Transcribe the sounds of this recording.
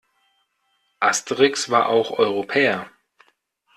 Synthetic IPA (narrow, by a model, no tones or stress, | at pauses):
ʔastəʁɪksv̥aːɐʔa̰ʊxʔɔʏʁopʰɛːɐ